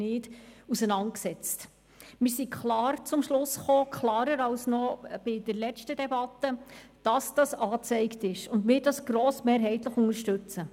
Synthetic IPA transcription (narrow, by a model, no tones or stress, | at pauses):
nɪːdusənɑnt̚ksɛt͡st | mɪːɾsikʰχlɑːrt͡sʊmʃlʊsχoːkʰlɑːɾəɾɑlsnɔb̥ɪdəɾlɛt͡ʃtədɛbɑtːəd̥ɑsd̥ɑsɑːt͡sɛɪktɪʃʊndmɪːɾdɑsɡ̥ɾoːsmeːɾɦɛɪt̪ləχʊŋəɾʃtʉt͡sə